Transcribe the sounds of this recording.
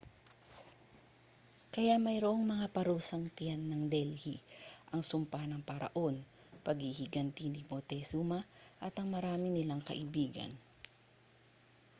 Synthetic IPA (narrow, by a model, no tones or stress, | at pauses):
kɐjaʔmɐjɾoʔoŋmɐŋapɐɾuːsɐŋt̪ɪjanːɐŋd̪ɛlhiʔɐŋsʊmpanɐŋpɐɾɐ̰ʔo̞n | pɐɡhihɪɡɐnt̪inɪmot̪ɛsumaʔɐt̪ɐŋmɐɾaːmɪnɪlaŋkɐ̰ʔɪbiːɡɐ̰n